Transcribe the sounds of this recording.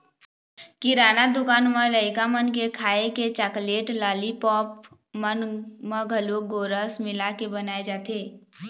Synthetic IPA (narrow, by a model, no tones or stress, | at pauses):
kiɾaːnad̪ʊkaːnmə̃ləɪkamənkekʰaːeket͡ʃakleːʈlaːlipɔːp | mənmə̃ɡʱəloɡoːɾəsmɪlakebənaːed͡ʒaːt̪eː